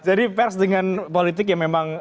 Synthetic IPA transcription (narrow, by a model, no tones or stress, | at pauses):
d͡ʒadipɛrsdəŋanpolit̪ɪk̬jaŋmemaŋ